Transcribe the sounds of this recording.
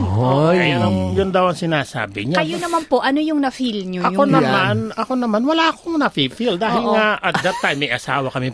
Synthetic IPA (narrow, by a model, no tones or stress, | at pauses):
ɐjanɐmjʊnd̪ɐwɐŋsɪnaːsa̰ːbɪɲaɐjonɐmanpoʔɐnojʊŋnɐfilɲoɐjonɐmanɐkonɐmanwɐlaːɐkoŋnɐfifild̪aːhɪlŋaʔɐt̪d̪ɐt̪ːajmːɐjʔɐsaːwɐkɐmɪ